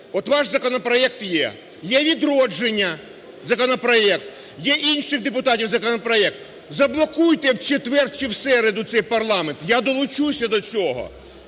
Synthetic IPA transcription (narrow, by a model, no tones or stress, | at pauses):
ɔt̪ʋɑʃzɐkɔnɔpɾɔɛkt̪jɛ̰ | jɛʋʲid̪ɾɔd͡ʒenʲːɐ | zɐkɔnɔpɾɔɛkt̪ | jɛʔinʲʃɪxd̪epʊt̪ɑtʲiwzɐkɔnɔpɾɔɛk̚t̪ | zɐblˠɔkujt̪ɛwt͡ʃet̪ʋɛrt͡ʃɪwsɛɾed̪ʊt̪sɛjpɐrlˠɑment̪jad̪ɔlˠʊt͡ʃusʲɐd̪ɔt͡sʲɔɦɔ̰